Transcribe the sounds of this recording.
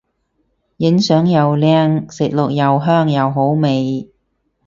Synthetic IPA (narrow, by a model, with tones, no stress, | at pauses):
jɪ˨˥ŋsœː˨˥ŋjɐ˨wlɛː˥ŋsɪ˨k̚lʊ˨k̚jɐ˨wɦœː˥˩ŋjɐ˨wɦo˨˥wme˨j